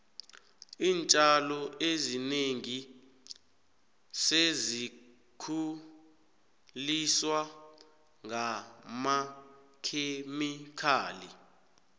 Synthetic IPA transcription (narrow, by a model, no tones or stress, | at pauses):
iːnt͡ʃʼalɔezineŋi | sezi | kʰu | liswa | ŋama | kʰemikʰaːli